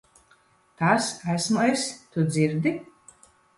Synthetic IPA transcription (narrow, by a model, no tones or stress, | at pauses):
t̪asæsmuɛst̪ud̪ziɾd̪i